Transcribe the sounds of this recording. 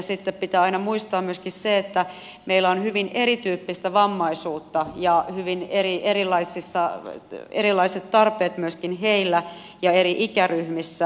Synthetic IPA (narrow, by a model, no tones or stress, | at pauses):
sit̪ːeppit̪æːɑinɑmuist̪ɑːmmyøskisseet̪ːæ | meilːæonhyʋinʔeɾit̪yːpːist̪æʋɑmːɑisuːt̪ːɑjɑhyʋinerieɾilːˑɑisisːɑ | eɾilːˑɑiset̪t̪ɑrpeːt̪myøskinɦeilːæ | jɑeriʔikæryhmisːæ